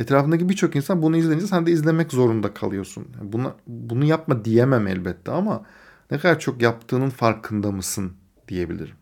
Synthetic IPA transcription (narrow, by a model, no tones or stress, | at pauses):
et̪ɾaːfɯnd̪ac̬ibiɾt͡ʃʰo̞kinsanbunuizlʲeind͡ʒɛsænd̪ɛizlʲe̞mɛczo̞ɾund̪akʰalˠɯjo̞sunhɛbunabunujap̚mad̪ijemæmæ̰lʲbɛt̪ʰːɛama | nɛkʰad̪aɾt͡ʃʰo̞kjap̚t̪ʰɯːnɯnfaɾkʰɯnd̪amɯsɯn | d̪ije̞bḭlʲḭɾim